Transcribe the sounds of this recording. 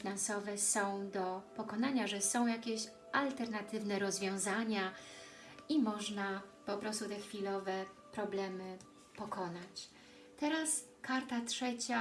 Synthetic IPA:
inansɔvɛsɔ̃w̃d̪ɔpɔkɔnaɲaʐɛsɔ̃w̃jakʲɛɕ | ʔalt̪ɛɾnat̪ɘvnɛɾɔzvʲjɔ̃w̃zaɲa | imɔʐnapɔpɾɔst̪ut̪ɛxfʲilɔvɛpɾɔblɛmɘ | pɔkɔnat͡ɕ | t̪ɛɾas | kaɾt̪atʂɛt͡ɕa

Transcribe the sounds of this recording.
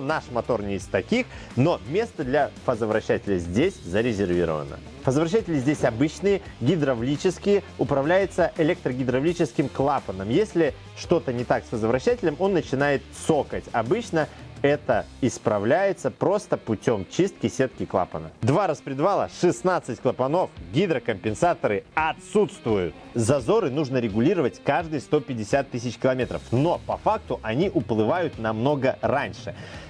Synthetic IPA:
naʂmɐt̪o̞rnʲeɪsʲt̪ɐkʲix | no̞mʲe̞st̪əd̪lʲɐfəzəvɾɐɕːætʲɪlʲəzʲdʲesʲzəɾʲɪzʲɪrvʲḭɾə̰və̰nə̰ | fəzəvɾɐɕ̬ːætʲɪlʲɪzʲdʲesʲɐbɨt͡ɕnɨjə | ɡʲɪd̪ɾɐvlʲit͡ɕɪskʲɪjəʊpɾɐvlʲæjɪt̪səʔɪlʲek̚t̪ɾəɡʲɪd̪ɾɐvlʲit͡ɕɪskʲɪmklˠapənəmjesʲlʲɪ | ʂt̪o̞t̪ənʲɪt̪aksfəzəvɾɐɕːætʲɪlʲəmo̞nːət͡ɕɪnajɪt̪̚so̞kətʲɐbɨt͡ɕnəɛt̪əɪspɾɐvlʲæjɪt̪səpɾo̞st̪əpʊtʲo̞mt͡ɕist̪̚kʲɪsʲe̞t̪kʲɪklˠa̰pənə̰d̪vaɾəspɾʲɪd̪valˠə̰ʂɨsnat̪sɨtʲklˠəpɐno̞fɡʲid̪ɾəkəmpʲɪnsat̪əɾɨɐt̪sut̪st̪vʊjʊt̪ | zɐzo̞ɾɨnuʐnəɾʲɪɡʊlʲiɾəvət̚ʲkaʐd̪ɨjst̪o̞pʲɪdʲːɪsʲat̪ːɨsʲɪt͡ɕkʲɪlˠɐmʲe̞t̪ɾəfno̞pɐfak̚t̪ʊʔɐnʲiʔʊplˠɨvajʊt̪nɐmno̞ɡəɾanʲʂɨ

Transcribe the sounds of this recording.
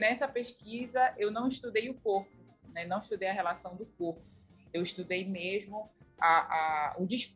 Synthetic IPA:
nɛsɐpeʃkizɐʔewnɐ̃w̃iʃt̪ud̪ejʊkoɾpʊ | nɛnɐ̃w̃iʃt̪ud̪ejɐɦelasɐ̃w̃d̪ʊk̚oɾpʊ | ewiʃt̪ud̪ejmezmʊaʔaud͡ʒiʃ

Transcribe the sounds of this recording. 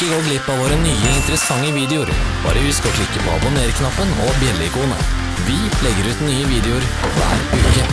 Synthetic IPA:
əɡoːɡlɪpːɑʋoːɾənyːəɪnt̪əɾəsɑŋːəʋiːd̪ɛʊɾb̥ɑ̰ːɾəʋɪskɑʈɪkːəpʰɔɑ̰bʊneːɾkʰnɑpːənɔbjɛlːɪkuːnə̰ | ʋɪpʰlɛɡːəɾʉːt̪nyːəʋiːd̪ɛʊɾʋæ̰ːɾʉːkə

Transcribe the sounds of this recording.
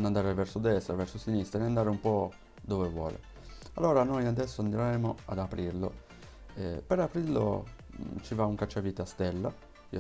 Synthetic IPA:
nand̪aːɾevɛɾsod̪ɛst̪ɾavɛɾsosinist̪ɾaenand̪aːɾeumpɔ | d̪ɔvevwɔ̰ːlḛ | a̰lːoːɾanojad̪ɛsːoand̪ɾeɾɛːmoad̪apɾiɾlo̰ | ɛpeɾapɾiɾlo̰ | t͡ʃivauŋkat͡ʃːavit̪east̪ɛlːa | i

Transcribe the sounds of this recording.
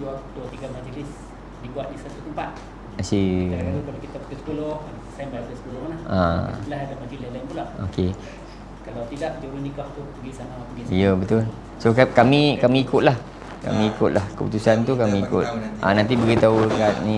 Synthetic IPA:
duat̪uat̪iɡamad͡ʒəlɪs | dibuwaʔ̪̚nisat̪ut̪əmpat̪̚ | asit̪ukalakit̪apu̥k̪əskulɔh | sambajkəsəkulɔhanaha̰laɦadamad͡ʒəlislanpulaʔo̰ke | kalawt̪idaʔduwənikaht̪upəɡisanamapəɡiijəbət̪ʊl | sokakamĩkamĩːkʊt̪̚lah | ka̰mĩikʊt̪̚lahkəput̪usant̪ukamĩːkʊt̪̚ʔa̰nãnt̪̬ibəɡit̪aukaʔnĩ

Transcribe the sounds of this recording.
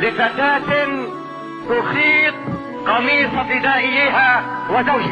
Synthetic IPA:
lɪfat̪aːt̪ | t̪ʊxiːt̪̚ˤ | qɑmiːsˤat̪ɪd̪aːʔɪjːɪhaːwad̪a

